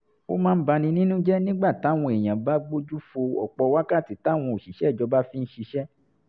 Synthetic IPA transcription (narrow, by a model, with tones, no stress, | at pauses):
o̰˦mãː˦n̩˦ba˧nĩ˧nĩ˦nũ˦d͡ʒɛ˦nĩ˦ɡ͡ba˦˨ta˨˦w̃ɔ̃˧e˨j̃ã˨ba˦ɡ͡bo˦d͡ʒu˦fo˧ɔ˨k͡pɔ˧˦wa˦ka˦˨ti˨˦ta˨˦˨w̃ɔ̃˧o˨ʃi˨ʃɛ˨˦˨d͡ʒɔ˧ba˦fĩ˦n̩˦ʃi˧ʃɛ˦